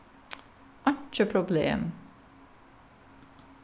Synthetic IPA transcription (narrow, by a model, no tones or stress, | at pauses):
ʔɑnt͡ʃəpʰɾʊblḛːm